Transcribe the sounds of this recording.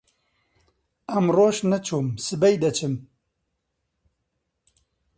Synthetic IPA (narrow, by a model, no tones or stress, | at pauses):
ɐmroːʃnɐt͡ʃʰuːmsɨbɛjd̪ɐt͡ʃʰɨm